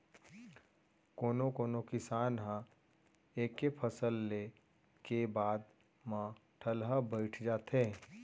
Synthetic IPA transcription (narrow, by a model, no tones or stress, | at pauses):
koːnokoːnokɪsaːnɦã | eːkːepʰəsəlːe | kebaːd̪ | mãʈʰəlɦabəɪʈʰd͡ʒaːt̪ɦẽ